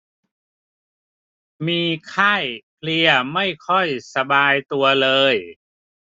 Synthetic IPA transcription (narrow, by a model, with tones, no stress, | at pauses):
miː˧kʰa˥˩jpʰli˧ɐma˥˩jkʰɔ˥˩jsa˧baː˧jt̪u˧ɐlɤː˧j